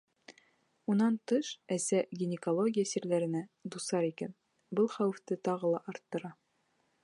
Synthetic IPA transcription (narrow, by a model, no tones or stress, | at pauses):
unɑnt̪ɤʃæsæɡʲinʲɪkolˠoɡʲijasiɾlæɾɘ̆næd̪usɑɾikæ̰n | bɤlˠχæwɘ̆ft̪ɘt̪ɑʁɤlˠɑʔɑɾt̪ːɤ̆ɾɑ